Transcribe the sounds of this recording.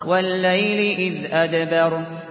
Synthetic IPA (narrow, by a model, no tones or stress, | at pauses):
walːajlɪʔɪðʔad̪bɑɾ